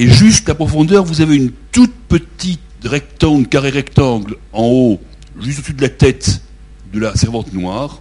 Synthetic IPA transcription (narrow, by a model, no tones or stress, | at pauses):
eʒyst̪apχɔfɔ̃d̪œʁvuzaveynt̪ut̪̚pət̪it̪ʁɛk̚t̪ɑ̃ɡlkaʁeʁɛkt̪ɑ̃ɡlɑ̃o | ʒyst̪osyd̪əlat̪ɛt̪ | d̪əlasɛʁvɑ̃t̪nwaːʁ